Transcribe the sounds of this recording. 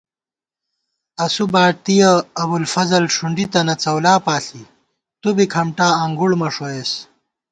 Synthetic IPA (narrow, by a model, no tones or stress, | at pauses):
ɐsubaːʈ̚t̪ijɐːbulfɐzɐlʂuɳɖit̪ɐnɐt͡sɐwlaːpaːɬi | t̪ubikʰɐmʈaːɐŋɡuɽmɐʂoeːs